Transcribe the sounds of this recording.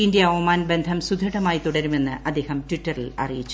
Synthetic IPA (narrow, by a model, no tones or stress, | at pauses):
indjɐɐʋɐmaːnbe̞nd̪ʱɐmsud̪ʱːɐʈɐmaːjit̪uɽɐɾume̞nːɨʔɐd̪ːe̞ːhɐmtʋiʈːɐrilɐ̰rijit͡ɕːu